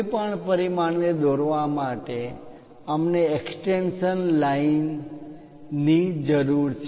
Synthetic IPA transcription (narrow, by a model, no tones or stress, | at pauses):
pəɳpəɾimaɳʋed̪oɾʋamaʈe | əmneeksʈenʃənlain | id͡ʒəɾuɾt͡ʃʰ